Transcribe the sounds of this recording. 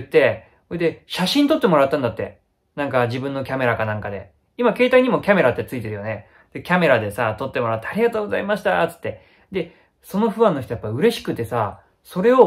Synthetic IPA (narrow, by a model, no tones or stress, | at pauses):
t̪ːe̞ | oed̪eɕaɕĩnt̪o̞t̪ːe̞mo̞ɾat̪ːãnd̪at̪ːe̞̰ | nãŋkaʑibɯ̟̃nːo̞kʲame̞ɾakanãŋkad̪e̞̰ | imake̞ːt̪aiɲ̟imo̞kʲame̞ɾat̪ːe̞t͡sɨit̪e̞ɾɯ̟jone̞ | d̪̥e̞kʲame̞ɾad̪e̞sat̪o̞t̪ːe̞moɾat̪ːaːɾʲiɡat̪oːɡo̞za̰imaɕi̥t̪a̰t͡sɨ̥t̪ːe̞ | d̪e̞ | so̞no̞ɸɯ̟βãnːoçit̪ojapːaɯ̟ɾe̞ɕi̥kɯ̟t̪ːe̞sa | so̞ɾe̞o̞